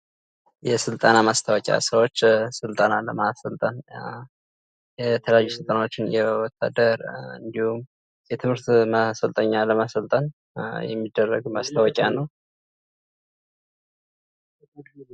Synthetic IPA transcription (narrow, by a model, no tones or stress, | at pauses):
jɛsɨlt̪ʼanamast̪ʰawɔkʼa̰səwo̞t͡ʃːsɨlt̪ʼanaləmasəlt̪ʼan | jɛt̪ʰələjajːusɨlt̪ʼanawo̞t͡ʃːɪnjɛwɔt̪ʰːa̰d̪əɾɨ̰nd̪ihum | jɛt̪ʰɨmhɨɾt̪masəlt̪ʼəɲːaləmasəlt̪ʼən | jɛ̰mːid̪ːərːəɡmast̪ʰawɔkʼjanəw